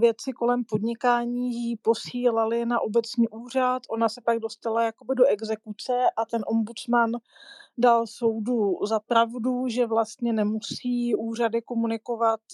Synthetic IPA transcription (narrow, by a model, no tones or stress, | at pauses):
vjɛt͡sɪko̞lɛmpo̞dɲɪkaːɲiːjipo̞siːlalɪnaʔo̞bɛt͡sɲiːʔuːr̝at̪ʔo̞nasɛpaɡ̚do̞st̪alajako̞bɪdo̞ʔɛɡzɛkut͡sɛʔat̪ɛnʔo̞mbut͡sman | dalso̞wduzapɾavduʒɛvlast̪ɲɛnɛmusiːʔuːr̝adɪko̞munɪko̞vat̪